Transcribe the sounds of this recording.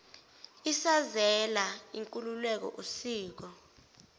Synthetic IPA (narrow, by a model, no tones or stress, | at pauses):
isazɛlaiŋkʼululɛk̬ɔ̰ʔusiːk̬ɔ